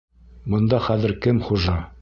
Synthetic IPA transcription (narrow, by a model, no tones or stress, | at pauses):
bŏnd̪ɑχæðɘ̆ɾkɘmχuʒɑ